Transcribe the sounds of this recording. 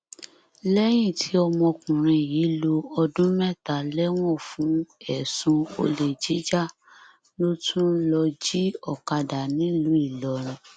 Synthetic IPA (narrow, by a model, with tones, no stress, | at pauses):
lɛ˦j̃ĩ˦˨tʰi˨˦ɔ˧mɔ̃˧kũ˨ɾ̃ĩ˧ji˨˦lo˧ɔ˧dũ˦mɛ˦˨ta˨lɛ˦w̃ɔ̃˦˨fũ˨˦ɛ˨sũ˧o̰˧le˨d͡ʒi˨˦d͡ʒa˦˨ | no˦tʰũ˦lɔ˧d͡ʒi˦ɔ˦˨ka˧da˨nĩ˨˦lu˨˦i˦˨lɔ˨˦ñĩ˧˦